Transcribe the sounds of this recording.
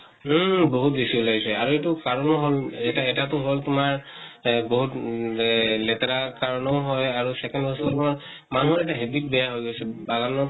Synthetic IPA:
boɦut̚besiɔlaɡisɛaɹuetukaɹɔnɔɦolɛtaɛtatʊɦoltʊmaɹ | boɦut | lɛtaɹakaɹɔnɔɦɔjaɹusɛkɛndbɔsɔtʊmaɹ | manuɦɔɹɛtaɦedik̚bɛjaɦojɡojsɛbaɡanɔ

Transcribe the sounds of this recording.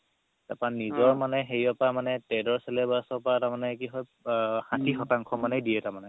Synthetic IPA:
tapanizɔɹmanɛxeɹiapamanɛtɛdɔɹsɛlɛbasɔpatamanɛkiɦɔjxãtʰixɔtaŋkʰɔmanɛdijɛtaɹmanɛ

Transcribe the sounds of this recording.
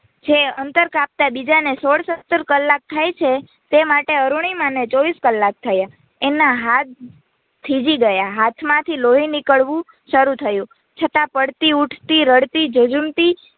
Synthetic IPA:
d͡ʒeənt̪əɾkap̚t̪abid͡ʒanesoɭsət̪ːəɾkəlːak̚t̪ʰajt͡ʃʰe | t̪emaʈeəɾuɳ̃imãnet͡ʃɔʋiskəlːak̚t̪ʰəja | enaɦat̪̚ | t̪ʰːid͡ʒiɡəjaɦat̪ʰmãt̪ʰiloɦinikəɭʋũ | ʃəɾut̪ʰəjũ | t͡ʃʰət̪ãpəɽt̪iuʈʰt̪iɾəɽt̪id͡ʒəd͡ʒumt̪i

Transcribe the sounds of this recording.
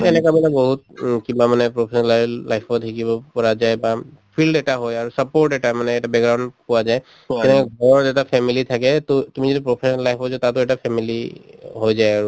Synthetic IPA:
ɛnɛkamanɛbɔɦut̪̚kĩbamanɛpɹɔpʰesɔnallajpʰɔikibɔpɔɹazajbapʰilɖɛʈaɦojaɹusəpoɹʈɛʈamanɛːʈabɛkɹaʊ̃npɔwazaj | tɛnɛkaɡʱɔɹɔzɛtapʰɛmilit̪ʰakɛtt̪umizitipɹɔpʰesɔnalːajpʰɔzat̪at̪ʊɛʈapʰɛmiliɦojzajaɹu

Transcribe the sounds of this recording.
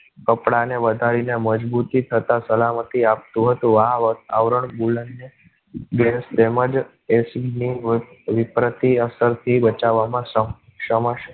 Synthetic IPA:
kəpɽaneʋəd̪ʱaɾineməd͡ʒbut̪it̪ʰət̪ãsəlamət̪iap̚t̪ũɦət̪ũaʋət̪aʋɾəɳbulənːe | ɡest̪eməd͡ʒ | esiɡniʋɪpɾət̪iəsəɾt̪ʰibət͡ʃaʋamãsə | ʃəməʃ

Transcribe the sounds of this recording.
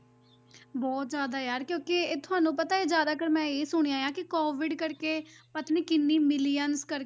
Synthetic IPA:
bɔːt̪zjaːd̪aːjaːɾkjõːkɪːt̪ʰʊaːnũːpət̪aːeːzjaːd̪aːkəɾmɛ̃ːeːsʊɽ̃iãːjãːkɪkɔːʋɪɖkəɾkeːpət̪niːkɪnːiːmɪliːənskəɾ

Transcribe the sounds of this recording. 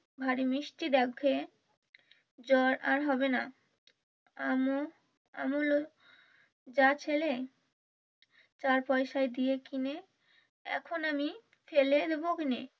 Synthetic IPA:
bʱaɾimɾiʃʈid̪ɛkʰe | d͡ʑɔɾaɾɦɔbena | amo | a̰molo | d͡ʑat͡ɕʰele | t͡ɕaɾpɔjʃaed̪ijekine | ɛ̰kʰonami | feled̪ebokine

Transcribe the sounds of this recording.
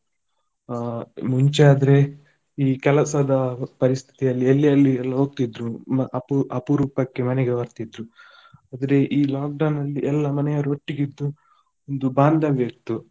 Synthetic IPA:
muɲt͡ʃeaːd̪ɐɾe̞ | iːkɛlɐsɐd̪ɐpɐɾist̪ʰi̥t̪ijɐlːielːijɐlːiɛlːɐɦo̞ːɡ̚t̪id̪ɾuʔɐpuʔɐpuɾuːpɐkːe̞mɐnɛɡeʋɐɾt̪id̪ɾu | aːd̪ɐɾe̞ʔiːlaːk̚ɖɐwnɐlːiɛlːɐmɐnɛjɐɾoʈːiɡid̪ːu | ond̪ubaːnd̪ʱɐʋeːk̚t̪u

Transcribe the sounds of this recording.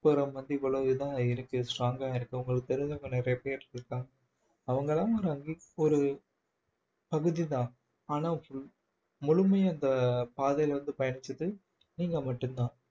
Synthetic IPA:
pɯɾɐmʋɐnd̪ɯɪʋːɐɭoːɪɯðaːɪɾɯkːɯsʈraːŋɡaːɪɾɯkːɯɐʊŋɡɐɭɯkːɯt̪ɐɾðaŋɡɐnɪɾɐjɐpeːɐɾɪɾɯkːaːŋɡɐː | ʋɐŋɡɐɭãːɔɾɯɐŋɡiɔɾɯ | pɐɣɯðit̪ãː | aːnãːfʊ | mʊɻʊmɐjɐnd̪ɐpaːðɐjɪlʋɐnd̪ɯpɐjɐnɪt͡ʃːɐðɯ | niːŋɡɐmɐʈːɯnd̪ãː

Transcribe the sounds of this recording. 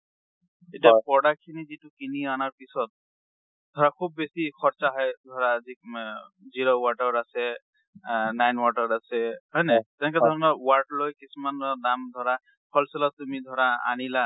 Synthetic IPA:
etijapɔɽakʰinizitukinianaɹpisɔt̪̚ | d̪ʱɔɹakʰub̚ːesikʰɔɹt͡ʃaɦɔjd̪ʱɔɹazi | ziɹowaʈɔɹasɛ | najnwaʈɔɹasɛɦɔjnet̪ɛnɛk̬ɛd̪ʱɔɹɔnɔwaɹʈlojkisumandamd̪ʱɔɹa | pʰɔlsɔlatumid̪ʱɔɹaa̰nila

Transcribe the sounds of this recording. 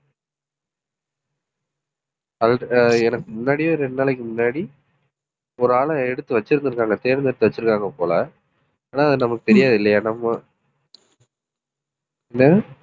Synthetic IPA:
ɐlɛnɐkːɯmʊnːaːɽijoːɾɛnːaːlɛk̬ːɯmʊnːaːɽi | ɔɾɯaːɭɐɛɽɯt̪ːɯʋɐt͡ʃːɪɾɯnd̪ɯɾɯkːaːŋɡɐt̪eːɾɐnɛɽɯt̪ːɯʋɐt͡ʃːɯɾɯkːaːŋɡɐpoːlɐ | aːnaːɐðɯnɐmɐkːɯt̪ɛɾɪjaːðɪlːɐjaːnɐmːɐ | ɛnːɐ

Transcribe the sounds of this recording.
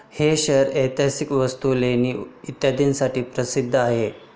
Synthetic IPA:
heɕəɾet̪jasikʋəst̪uleniːit̪jad̪iːnsaʈiːpɾəsid̪ʱːəaɦe

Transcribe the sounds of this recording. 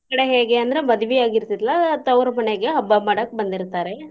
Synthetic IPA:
kɐɽeɦeːɡeɐnd̪ɐɾe̞mɐd̪ɐʋijaːɡiɾt̪iɾɐlːɐt̪ɐwɾɐmɐneɡe̞ɦɐbːamaːɽɐkːbɐnd̪iɾt̪aːɾe

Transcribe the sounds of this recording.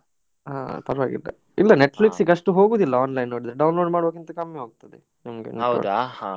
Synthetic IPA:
ɦa̰ːpɐɾɐʋaːɡḭlːɐ̰ | ilːɐneʈfliksiɡɐʂʈuɦo̞ːɡuːd̪ilːɐaːnlɐjnːoːɽid̪ɐɾeɖɐwnloːɖmaːɽoːkint̪ɐkɐmjɐɦoːɡut̪ɐd̪ḛ | nimɐɡḛnɐw̰d̪ha

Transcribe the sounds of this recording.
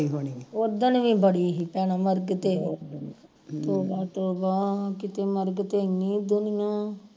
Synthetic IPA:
iːɦoːniːioːd̪ənʋĩːbəɽiːɦiːpɛːɽãːməɾɡt̪eː | t̪oːbãːt̪oːbãːkɪt̪eːməɾɡt̪eːnĩːd̪ʊnɪjãː

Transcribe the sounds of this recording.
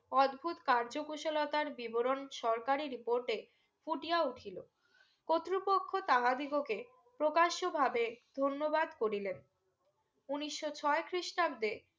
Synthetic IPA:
ɔd̪bʱut̪kaɾd͡ʑokuʃolot̪aɾbiboɾonʃɔɾkaɾiɾipoɾʈe | fuʈiauʈʰilo | kot̪ːɾipokʰːot̪aɦad̪iɡoke | pɾokaʃobʱabed̪ʱonːobad̪koɾilen | uniʃːot͡ɕʰɔekɾiʃʈab̚d̪e

